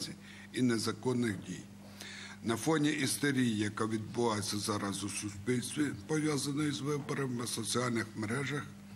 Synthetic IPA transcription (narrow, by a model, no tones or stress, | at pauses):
t͡sʲi | inezɐkɔnːɪxdʲḭj | nɐfɔnʲiʔist̪ɔɾʲijjɐkaʋʲid̪̚bʊʋɑjet͡sʲːɐzɑɾɑzʊsʊspʲilʲsʲt̪ʋʲipɔʋjazɐnɔjizʋɪbɔɾɐmʋɐsɔt͡sʲiɑlʲnɪxmeɾɛʒɐx